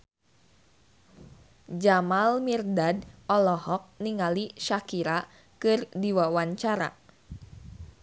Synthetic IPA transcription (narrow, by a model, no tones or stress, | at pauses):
d͡ʒamalmirdadɔlɔhɔk̚niŋaliʃakiɾa | kɨrdiwawaɲt͡ʃaɾa̰